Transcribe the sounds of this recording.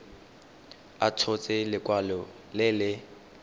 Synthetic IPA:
atʰʊt͡sʼɪlɪkʼwalɔ | lɪlɪ

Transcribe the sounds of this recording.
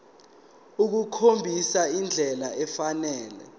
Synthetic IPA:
uk̬ukʰombʱisaind͡ɮʱɛlaɛfanɛːlɛ̰

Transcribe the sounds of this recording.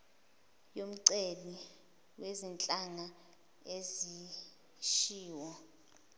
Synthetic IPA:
jom̩ǀeli | wezint͡ɬʼaŋa | ezi | ʃiːwɔ

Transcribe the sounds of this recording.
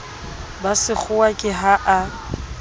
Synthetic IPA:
basɪk͡xʰʊwakʼɪɦaʔa

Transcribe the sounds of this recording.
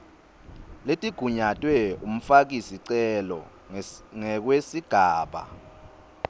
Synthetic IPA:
letʼiɡ̥ʱuɲatʼwɛum̩fak̬isiǀɛlɔ̰ | ŋɛk̬wesiɡ̥ʱaːɓa̰

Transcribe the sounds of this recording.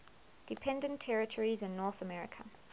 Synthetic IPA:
d̥ɪpʰɛ̃ndə̃ntʰːɛɹɪtʰɔɹizɪ̃nːɔːˑθəmɛɹɪ̰kʰə̰

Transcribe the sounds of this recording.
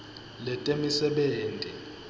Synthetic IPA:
lɛtʼemisɛɓeːntʼi

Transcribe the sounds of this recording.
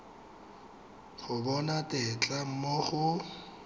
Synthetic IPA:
χʊbɔnatʼɪt͡ɬʼam̩moχʊ

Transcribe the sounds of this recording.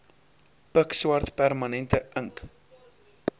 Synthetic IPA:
pəkswɐrtpærmɐnɛntəəŋk

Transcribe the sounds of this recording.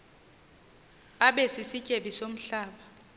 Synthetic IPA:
aɓesisicʼeɓisom̩ɬaːɓa

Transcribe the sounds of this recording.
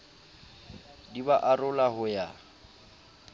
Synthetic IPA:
dibaʔarʊlahʊja

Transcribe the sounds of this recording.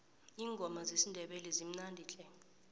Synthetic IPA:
iːŋɡʱɔmazesindʱɛɓɛlɛzim̩nandʱiːɬɛ

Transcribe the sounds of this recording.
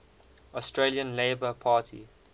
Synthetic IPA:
ɔstɹeliə̃nleɪbəpʰaːtʰḭ

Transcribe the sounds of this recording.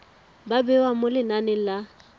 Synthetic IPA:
babɛwamolɪnanɛla

